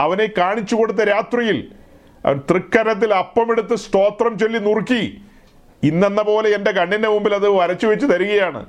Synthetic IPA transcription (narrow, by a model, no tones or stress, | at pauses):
ɐʋɐne̞kaːɳit͡ɕːuko̞ɽut̪ːɐɾaːt̪rijil̰ | t̪rikːɐɾɐt̪̬ːilɐpːɐmeɽut̪ːɨsʈo̞ːt̪rɐmt͡ɕe̞lːinurkːi | inːenːɐpo̞ːle̞ende̞kɐɳɖinde̞mumbilɐðɨʋɐɾɐt͡ɕːuʋet͡ɕːut̪ɐɾuɣɐjaːɳɨ̰